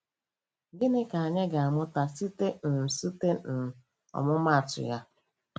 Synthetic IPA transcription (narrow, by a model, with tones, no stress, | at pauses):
ɡɪ˦nɪ˦ka˨a˨ɲe˦ɡa˨a˨mʊ˦ta˨si˦te˦n̩˨si˦te˦n̩˨ | ɔ̰˨mʊ˦ma˦˨tʊ̰˨ja˦